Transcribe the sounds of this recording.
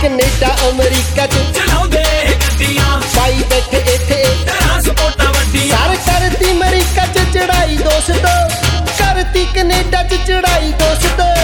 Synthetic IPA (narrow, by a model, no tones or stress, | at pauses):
kəneːɖaːʔəmɾiːkaːt͡ʃ | paːiːbɛːʈʰeeːt̪ʰeeː | əɾkəɾt̪iːməɾiːkaːt͡ʃət͡ʃəɽaːiːd̪oːst̪oː | kəɾt̪iːkəneːɖaːt͡ʃət͡ʃəɽaːiːd̪oːst̪oː